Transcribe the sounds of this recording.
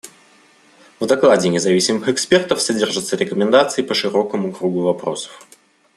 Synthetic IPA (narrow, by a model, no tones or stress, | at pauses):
vd̪ɐklˠadʲɪnʲɪzɐvʲisʲɪmɨxɛkspʲe̞rt̪əfsɐdʲerʐɨt̪səɾʲɪkəmʲɪnd̪at̪sɨɪpəʂɨɾo̞kəmʊkɾuɡʊvɐpɾo̞sə̥f